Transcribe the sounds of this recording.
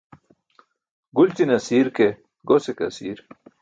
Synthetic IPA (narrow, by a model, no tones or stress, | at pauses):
ɡult͡sinɐsiːɾke | ɡosekɐ̰siːɾ